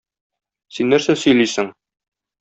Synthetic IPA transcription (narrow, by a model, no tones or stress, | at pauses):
sinːæɾsæsɵ̆jlisɘŋ